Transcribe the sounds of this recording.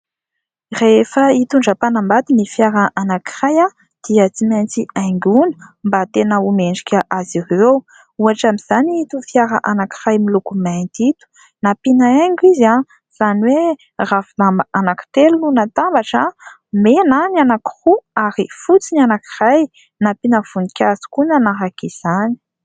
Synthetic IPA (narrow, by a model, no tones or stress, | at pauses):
reefəit̪uɳɖ͡ʐəpanambat̪inifjaɾaʔanaki̥raja | d̪̥iət͡simajnt͡siajŋɡunə̥mbat̪enəumeɳɖ͡ʐikʲaʔazirew | uaʈ͡ʂamiz̥aniit̪ufjaɾaʔanaki̥rajmilukumajnt̪it̪u̥ | napinaeŋɡiza | z̥aniwe | rafinambanaki̥t̪elununat̪ambaʈ͡ʂə | menananaki̥ruaɾifut͡sinianaki̥raj | napinəv̥unikʲazi̥kunanaɦakiz̥ani̥